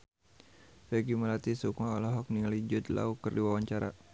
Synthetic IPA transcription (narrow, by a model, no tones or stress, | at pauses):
fɛɡimalat̪isukaɔlɔɦɔk̚niŋalid͡ʒʊt̪la̰ukərdiwawaɲt͡ʃaɾa̰